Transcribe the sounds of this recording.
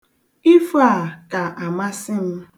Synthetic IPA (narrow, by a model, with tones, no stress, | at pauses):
i˦fa˦˨ka˨ʔa˨ma˦sɪ˦m̩˦